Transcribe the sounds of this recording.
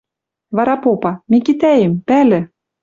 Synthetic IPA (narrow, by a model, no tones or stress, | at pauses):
βɑɾɑpopɑmekit̪æjempælɘ̆